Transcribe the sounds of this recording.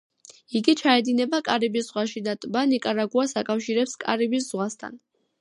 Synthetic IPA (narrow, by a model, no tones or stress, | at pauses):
iɡit͡ʃʰaɛd̪inɛbakʼaɾibisz̥ʁwaʃid̪at̪ʼbanikʼaɾaɡuasakʼafʃiɾɛpskʼa̰ɾibisz̥ʁwast̪ʰa̰n